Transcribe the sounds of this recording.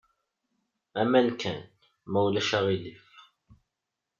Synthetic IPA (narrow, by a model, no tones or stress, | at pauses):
æmænkæn | mæwlæʃæʁilif